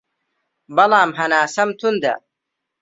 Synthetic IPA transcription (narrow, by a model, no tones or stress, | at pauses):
bɐlaːmɦɐnaːsɐmt̪ʰund̪ɐ̰